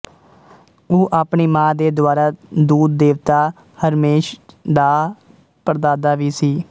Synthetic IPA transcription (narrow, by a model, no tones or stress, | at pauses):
oːʔaːpɳiːmãːd̪eːd̪ʊaːɾaːd̪uːd̪ːeːʋt̪aː | həɾmeːʃd̪aː | pəɾd̪aːd̪aːʋiːsiː